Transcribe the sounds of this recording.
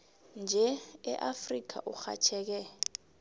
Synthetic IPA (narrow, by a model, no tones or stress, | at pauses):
nd͡ʒʱɛɛʔafrik̬ʰa̰ʔuxa̰t͡ʃʰɛːk̬ɛ